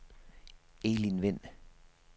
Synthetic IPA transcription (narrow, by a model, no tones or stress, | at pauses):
eːlinʋɪn